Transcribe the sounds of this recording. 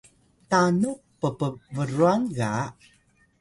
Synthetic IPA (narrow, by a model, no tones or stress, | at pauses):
tanu | pəpəvəɾuanɣa